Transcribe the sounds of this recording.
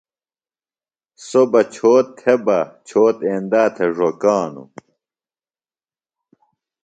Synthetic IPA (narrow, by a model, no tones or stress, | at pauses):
sobɐt͡ɕʰoːt̪ːʰebɐt͡ɕʰoːt̪eːnd̪aːt̪ʰeʐokaːnṵ